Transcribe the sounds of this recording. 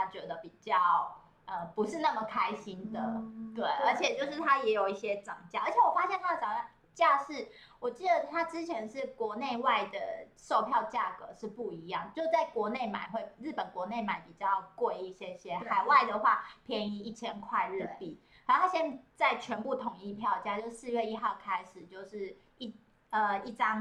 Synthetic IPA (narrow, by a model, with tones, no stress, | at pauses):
t̪ʰa˥t͡ɕɥɛ˧˥d̪ə˧pi˨˩t͡ɕjɑ˥˩ʊ | ʔə˨˩pu˧˥ʂɻ̩˥˧na˥˩mə˨˩kʰa˥ɪɕi˦˥nd̪ə˨t̪we˥˩ɪə˧˥t͡ɕʰjɛ˨˩t͡ɕjo˥˧ʊʂɻ̩˥˩t̪ʰa˦jɛ˧˥jo˨˩ʊi˥˩ɕjɛ˦ʈ͡ʂɑ˨˩ŋt͡ɕja˥˩ʔə˧˥t͡ɕʰɛ˨˩wɔ˨˩fa˥ɕjɛ˥˩nt̪ʰa˥ə˨˩ʈ͡ʂɑ˨˩ŋt͡ɕa˥˩ | t͡ɕja˥˧ʂɻ̩˥˩ | wɔ˨˩t͡ɕi˥˩d̪ə˩t̪ʰa˥t͡sɻ̩˥t͡ɕʰjɛ˧˥nʂɻ̩˥˩kwɔ˧˥ne˥˧ɪwa˥˩ɪd̪ə˩ʂo˥˧ʊpʰjɑ˥˧ʊt͡ɕja˥˩kɤ˧˦ʂɻ̩˥˧pu˥˩i˧˥jɑ˥˩ŋt͡ɕjʊt͡sa˥˩ɪkwɔ˧˥ne˥˩ɪma̰˨˩˦ɪxwe˥˩ɪɻɻ̩˥˩pə˨˩nkwɔ˧˥ne˥˩ɪma˨˩ɪpi˨˩t͡ɕjɑ˥˩ʊkwe˥˧ɪi˥˩ɕjɛ˥˩ɕjɛ˥xa˨˩ɪwa˥˩ɪd̪ə˩xwa˥˩pʰjɛ˧˥ni˧˥i˥˩t͡ɕʰjɛ˥nkʰwa˥˧ɪɻ̩˥˩pi˨˩ | xa˨˧˥o˥˩a˥ɕjɛ˥nt͡sa˥˩ɪt͡ɕʰɥɛ˧˥npu˥˩t̪ʰʊ˨˩˦ŋi˥˧pʰjɑ˥˨ʊt͡ɕja˥t͡ɕjo˥˧ʂ̩˥˩sɹ̩˥˧ɥɛ˥˧i˥xɑ˥˩ʊkʰa˥ɪʂɻ̩˨˩t͡ɕjo˥˧ʊʂɻ̩˥˩ | i˥˩ | ə˩i˥˩ʈ͡ʂɑ˥ŋ